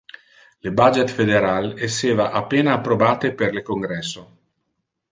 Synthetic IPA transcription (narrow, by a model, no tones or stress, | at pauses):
lebad͡ʒet̪fed̪eɾalesːeːvaʔapːeːnaːpːɾobaːt̪eperlekoŋɡɾɛsːo